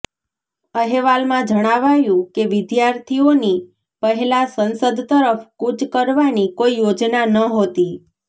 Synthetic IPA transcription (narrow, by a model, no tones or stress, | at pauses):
əɦeʋalmãd͡ʒəɽ̃aʋajũkeʋɪd̪jaɾt̪ʰioni | pəɦɛlasənsəd̪ʱt̪əɾəfkut͡ʃkəɾʋanikoijod͡ʒnanəɦot̪i